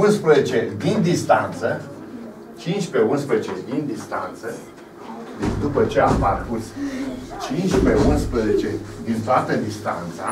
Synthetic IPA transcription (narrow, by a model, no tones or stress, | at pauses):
unspɾəzet͡ʃe̞d̪ind̪ist̪ant̪sə | t͡ʃint͡ʃʲpe̞unspɾezet͡ʃed̪ind̪ist̪a̰nt̪sə | d̪upət͡ʃe̞amparkurst͡ʃint͡ʃpeunspɾəzet͡ʃe̞d̪int̪oat̪əd̪ist̪a̰nt̪sa̰